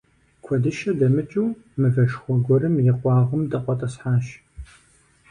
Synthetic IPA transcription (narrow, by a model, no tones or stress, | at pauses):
kʷʰɔdɨʃɐdɐmɨt͡ʃʼuw | mɨvɐʃχʷɔɡʷɔrɨmjɪqʷɑːʁɐmdɐqʷʼɔtʼɐsħaːʃ